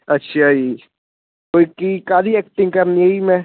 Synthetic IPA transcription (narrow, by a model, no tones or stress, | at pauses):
ɐtːʃʰiai | koːikikaːɾiɛːk̚ʈɪ̃ŋɡ̚kɐɾniɦeimɛ̃